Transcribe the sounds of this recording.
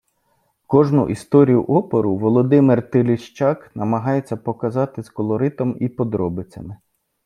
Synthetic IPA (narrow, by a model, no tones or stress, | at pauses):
kɔʒnʊ̰ʔist̪ɔɾʲijʊ̰ʔɔpɔɾʊʋɔlˠɔd̪ɪmɪrt̪ɪlʲɪʃt͡ʃɑknɐmɐɦɑjet͡sʲːɐpɔkɐzɑt̪ɪskɔlˠɔɾɪt̪ɔmipɔd̪ɾɔbɪt͡sʲɐmɪ